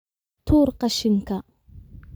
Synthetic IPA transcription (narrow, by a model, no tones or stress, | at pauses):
t̪ʰuːɾqaʃɪŋka